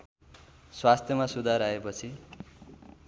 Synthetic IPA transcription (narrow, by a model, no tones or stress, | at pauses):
swast̪ʰjʌmasud̪ʱaɾaepʌt͡sʰi